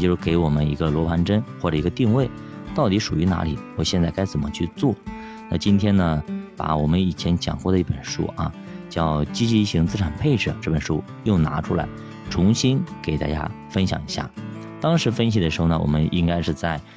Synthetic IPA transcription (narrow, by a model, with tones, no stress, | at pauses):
t͡ɕjo˥˧ʊʂɻ̩˥˧ke˧˥ɪwɔ˨˩mə˦ni˧˥ɡə˧lwɔ˧˥pʰa˧˥nʈ͡ʂə˥nxwɔ˥˩ʈ͡ʂɤ˨˩i˧˥ɡə˧t̪i˥˧ŋwe˥˩ɪ | t̪ɑ˥˩ʊt̪i˧˥ʂu˨˩y˧˥na̰˧˥li˨˩˦wɔ˨˩ɕjɛ˥˧nt͡sa˥˩ka˥ɪt͡sə˨˩nmə˦t͡ɕʰy˥˧t͡swɔ˥˩ | na˥˩t͡ɕi˥nt̪ʰjɛ˥nə˨pa̰˧˩wɔ˨˩mə˦ni˨˩t͡ɕʰjɛ˧˥nt͡ɕjɑ̰˨˩ŋkwɔ˥˩d̪ə˧i˥˩pə˨˩nʂṵ˥ɐ̰˧ | t͡ɕjɑ˥˩ʊt͡ɕi˥t͡ɕi˧i˥˩ɕi˧˥ŋt͡sɹ̩˥˩ʈ͡ʂʰa˨˩npʰe˥˩ɪʈ͡ʂɻ̩˥˩ʈ͡ʂɤ˥˩pə˨˩nʂu˥ | jʊ˥˩ŋna̰˧˥ʈ͡ʂʰu˥la˧˥ɪ | ʈ͡ʂʰʊ˧˥ŋɕi˥nke˨˩ɪt̪a̰˥˩t͡ɕja̰˥ | fə˥nɕjɑ̰˧˩ŋi˧˥ɕja̰˥˩ | t̪ɑ˥ŋʂɻ̩˧˥fə˥nɕ̬i˨d̪əʂɻ̩˧˥xo˧ʊnə˨wɔ̰˨˩mə˦nʔi˥ŋka˥ɪʂɻ̩˥˧t͡sa˥˩ɪ